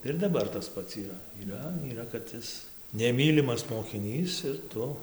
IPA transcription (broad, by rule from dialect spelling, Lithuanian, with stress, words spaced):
tɐɪ ɪr dɐˈbɐr tɐs ˈpɐts iːˈrɐ iːˈrɐ iːˈrɐ kɐt ˈɪs nʲɛˈmʲiːlʲɪmɐs moːkʲɪˈnʲiːs ɪr ˈtʊ